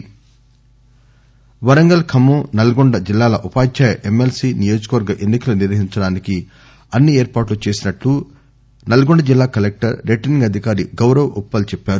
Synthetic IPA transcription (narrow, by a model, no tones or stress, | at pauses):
ʋɐɾɐŋɡɐlkʰɐmːunɐlɐɡoɳɖɐd͡ʒilːaːlɐʔupaːt͡ʃaːjɐʔe̞melsiːnijo̞ːd͡ʒɐkɐʋɐɾɡɐʔe̞nːikɐluniɾʋɐɦiɲt͡ʃɐɽaːniki | ɐnːieːɾpaːʈlut͡ʃe̞ːsinɐʈlu | nɐlɐɡoɳɖɐd͡ʒilːaːkɐlek̚ʈɐɾːeʈɐniŋɡɐd̪ʱikaːɾiɡɐwɾɐʋʔɔpːɐlt͡ʃɛpːaːɾu